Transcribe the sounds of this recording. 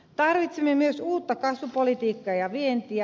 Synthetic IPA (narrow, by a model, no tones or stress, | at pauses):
t̪ɑrʋit̪semːemyøsuːt̪ːɑkɑsʋupolit̪iːkːɑːjɑʋient̪iæ